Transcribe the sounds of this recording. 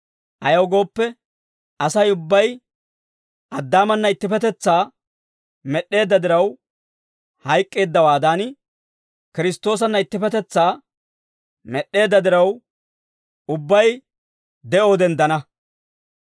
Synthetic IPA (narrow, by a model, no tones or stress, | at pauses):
ʔɐjɐwɡo̞ːpːɛ | ɐsɐjʊbːɐj | ʔɐd̪ːaːmɐnːɐɪt̪ːɪfɛt̪ɛt͡sːaː | mɛɗe̞ːd̪ːɐd̪ɪɾɐw | hɐjkʼːe̞ːd̪ːɐwaːd̪aːn | kɪɾɪst̪ːo̞ːs̬ɐnːɐɪt̪ːɪpɛt̪ɛt͡sːaː | mɛɗːe̞ːd̪ːɐd̪ɪɾɐw | ʊbːɐj | d̪ɛʔo̞ːd̪ɛnd̪ɐnɐ